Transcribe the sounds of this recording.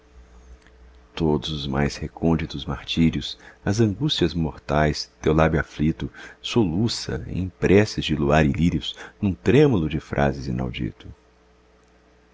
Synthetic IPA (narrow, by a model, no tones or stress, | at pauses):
t̪od̪ʊzʊzma̰jshekʰõnd͡ʒit̪ʊzmaɾt͡ʃiɾjʊsɐzɐ̃ŋɡust͡ʃiɐzmoɾt̪ajst̪ewlabjʊaflit̪ʊsolusɐ̰ḭ̃pɾɛsɪzd͡ʒɪluaɾɪliɾjʊsnũt̪ɾẽmulʊd͡ʒɪfɾʔa̰zɪzina̰wd͡ʒḭt̪ʊ